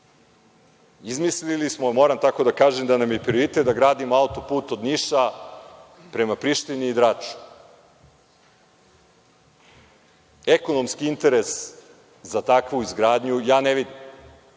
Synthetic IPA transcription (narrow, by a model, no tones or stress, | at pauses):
izmislilismomoːɾamt̪ako̞d̪akaːʒemd̪anamjepɾioɾit̪et̪̚d̪aɡɾaːd̪imoaut̪o̞puːt̪o̞d̪niʃa | pɾe̞mapɾiʃt̪iniːd̪ɾaːt͡ʃu̥ | eko̞no̞mskiint̪e̞ɾes | zat̪akʋuizɡɾaːd̪ɲujaːneʋid̪im